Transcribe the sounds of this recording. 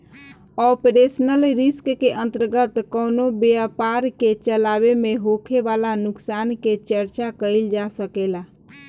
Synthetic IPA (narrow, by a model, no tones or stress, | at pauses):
ɔpɾesnəlɾiskkeʔə̃nt̪əɾɡət̪kɔnobeapaɾket͡ʃəlabemeɦokʰeʋalanuksanket͡ʃəɾt͡ʃakəɪld͡ʒasəkela